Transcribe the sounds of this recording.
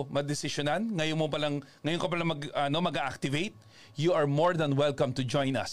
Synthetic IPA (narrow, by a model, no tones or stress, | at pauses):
mɐd̪ɪsɪʃʊnanŋɐjonmopɐlaŋ | ŋɐjonkɐpɐlaŋmɐɡɐno̞mɐɡaʔak̚t̪ɪvejt̪̚ | juʔɐɹmoɹd̪ɐnwɛlkɐ̃mt̪ʊd͡ʒɔ̃jnɐ̰s